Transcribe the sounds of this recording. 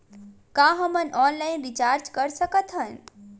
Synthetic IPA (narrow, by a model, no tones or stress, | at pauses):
kãːɦəmənɔːnlaːɪnɾit͡ʃaːɾd͡ʒkəɾsəkət̪ʰɦən